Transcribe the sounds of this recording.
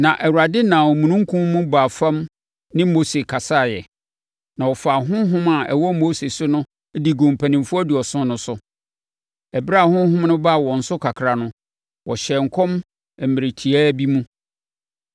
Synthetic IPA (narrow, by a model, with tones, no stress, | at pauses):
nã˨ʔɛ˨wa˨dɪ˦nã˨ɔ˨mũ˨nũ˦ŋ̩˦kʰʊ̃˦mũ˦ba˨fã˦m | nɪ̃˦mo˦se˨kʰa˨sa˦˨jɛ̰˨ | nã˨wɔ˨fa˨ɦʊ̃˦ɦʊ̃˦ma˨ɛ˨wɔ˦mo˦se˨sʊ˦nʊ̃˦ | di˨ɡʊ̃˨m˨pʰæ˨nĩ˨mfʊ˦ɔ˦du˨ɔ˨sʊ̃˦nʊ̃˦sʊ˨ | ɛ˨bɪ˦ɾa˦˨hʊ̃˦ɦʊ̃˦mnʊ̃˦ba˦˨wɔ̃˨n̩˨sʊ˦kʰa˨kʰɾa˨nʊ̃˦ | wʔɔ˨ɕɛ˨ŋ̩˨kʰɔ̃˦m˨ | mɪ̃˨ɾɪ˨tʰi˨æː˦bi˦mũ˦